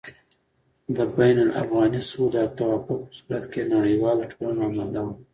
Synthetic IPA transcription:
d̪əbajnalʔa̰fɣɑnisud̪at̪awafʊk̚pə̥suɾat̪kenaɽəjwɑloʈʰolanaamald̪awu

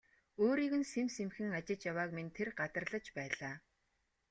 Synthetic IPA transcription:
oːɾiːɣɘ̆nsemsemxɘ̆ŋat͡ɕɪ̆t͡ɕjawaːkmint̪ʰerɢat̪ə̆rɮə̆t͡ɕpæːɮaː

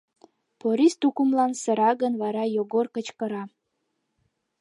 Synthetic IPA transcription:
poɾist̪ukumlɑnsə̆ɾɑɣə̆nβɑɾɑjoɣorkə̆t͡ɕkəɾɑ

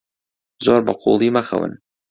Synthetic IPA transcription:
zoːɾbɐqʰṵlˠimɐxɐ̰wɨ̰n

